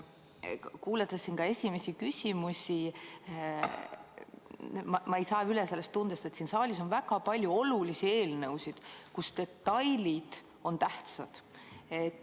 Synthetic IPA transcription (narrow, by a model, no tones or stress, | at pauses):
kuːlet̪ːˑesːinkɑe̞sʲime̞sikysʲimusʲi | mɑmɑejsɑːylese̞lːe̞st̪ːund̪̥est̪e̞t̪siːnsɑːlʲis̬o̞nvæɡɑpɑlʲjuo̞lulisie̞ːlnɤwsid̪̥kust̪e̞t̪ːɑjlid̪̥ | o̞nt̪æht̪sɑd̪̥et̪ː